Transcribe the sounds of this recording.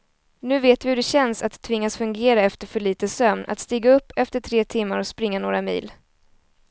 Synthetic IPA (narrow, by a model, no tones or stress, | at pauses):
nʉ̟ːveːt̪vɪhɵɖɛɕɛnsat̪ʰːvɪŋːasfɵŋɡeːɾaɛft̪əɾfœɭiːt̪əsœmnʔa̰t̪st̪iːɡaɵpːɛft̪əʈʰɾeːt̪ʰɪmːaɾɔspɾɪŋːanoːɾamḭːl